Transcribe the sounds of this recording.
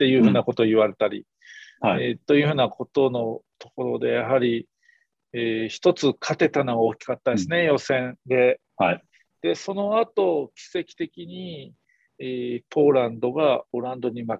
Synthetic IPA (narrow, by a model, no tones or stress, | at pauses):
t̪e̞jɯ̟ːhɯ̟ːnako̞t̪o̞ːiβaɾe̞t̪aɾʲḭ | et̪o̞jɯ̟ɸɯ̟ːnakʰo̞t̪o̞no̞t̪o̞ko̞ɾo̞d̪e̞jaɦaɾʲi | eːçi̥t̪o̞t͡sɨkʰat̪e̞t̪anoɡaoːkʲi̥kat̪ːad̪esɨne̞jo̞sẽ̞nd̪e̞ | a | d̪̥e̞so̞no̞at̪o̞kʲi̥se̞kʲi̥t̪e̞kʲiɲ̟i | eːpo̞ːɾãnd̪o̞ɡao̞ɾãnd̪o̞ɲ̟ima